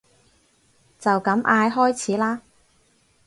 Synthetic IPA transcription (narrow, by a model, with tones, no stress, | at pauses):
t͡sɐ˨wkɐ˨˥mʔaː˧jɦɔː˥jt͡sʰiː˨˥laː˥